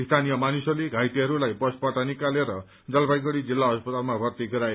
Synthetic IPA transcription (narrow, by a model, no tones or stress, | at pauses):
ist̪ʰanijʌmanusʌleɡʱajʈiɦʌɾulajbʌspʌʈanikaleɾʌ | d͡zʌlbajɡʌɽid͡zilːaɦʌspʌt̪almabʱʌrt̪iɡʌɾae